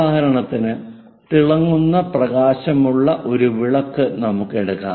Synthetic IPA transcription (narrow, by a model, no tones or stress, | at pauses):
hɐɾɐɳɐt̪ːinɨ | t̪iɭɐŋːunːɐprɐɣaːɕɐmuɭːɐʔo̞ɾuʋiɭɐkːɨnɐmukːe̞ɽukːa̰ː